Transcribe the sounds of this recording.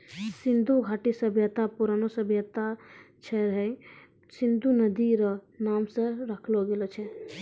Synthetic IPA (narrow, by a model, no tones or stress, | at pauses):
sind̪ʱuɡʱaʈisəbʱjət̪apuɾanosəbʱjət̪at͡ʃʰɛɾəɦɛ | sind̪unəd̪iɾənaːmsə̃ɾəkʰloɡelot͡ʃʰɛ